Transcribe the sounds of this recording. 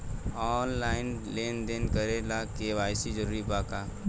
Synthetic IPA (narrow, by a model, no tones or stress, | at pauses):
ɔːnlaːɪnleːnd̪enkəɾelakeʋaːjsid͡ʒəɾuːɾipaːka